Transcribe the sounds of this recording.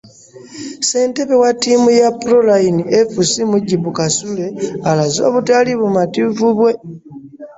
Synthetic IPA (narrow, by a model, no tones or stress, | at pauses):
se̞ːnte̞βewatːiːmujapuɾolainiefusimuɟiβukasule̞alazo̞̰ːβutaliβumativuβwe̞